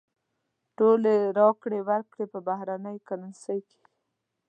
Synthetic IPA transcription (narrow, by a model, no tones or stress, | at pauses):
ʈoleɾɑkɽewaɾkɽepəbaɦɾanəjkanansəjke̥